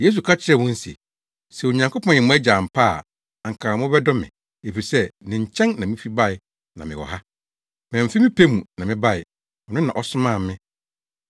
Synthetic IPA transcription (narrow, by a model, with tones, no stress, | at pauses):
je˦s̬u˨kʰa˦t͡ɕʰɪ˦ɾɛ˨wʊ̃˦n̩˦sḭ˨ | sɛ˨o˨ɲã˨ŋkʰo˦pʰɔ̃˦˨ɛ̃˨mũ˦æ˦d͡ʑa˨m̩˨pʰa˦˨ | a˨ŋ̩˨kʰa˨mʊ̃˦bɛ˦dɔ˦mɪ̃˨ | e˨fi˨sɛ˦nɪ̃˨ɲ̩˨t͡ɕʰɛ̃˦nnã˨mɪ̃˦fi˦ba˦˨ɪ˨ | nã˨mɪ̰̃˨wɔ̰˨ha˦ | m˨ɛ̃˨m̩˨fi˦mɪ̃˦pʰe˦mũ˨nã˨mɪ̃˦ba˦˨ɪ˨ | ɔ˨nʊ̃˦nã˨ʔɔ˨sʊ˦mãː˦˨mɪ̃˦